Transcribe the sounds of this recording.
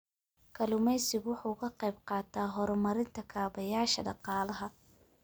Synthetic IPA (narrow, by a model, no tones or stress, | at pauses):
kʰɐlʊmɛjsɪɣwʊħuːkʰɐqɛjbqɑːt̪ʰaːɦɔɾmɐɾɪnt̪ʰɐkʰaːβɐjaːʃɐ̰ɖɑqɑːlɐɦɐ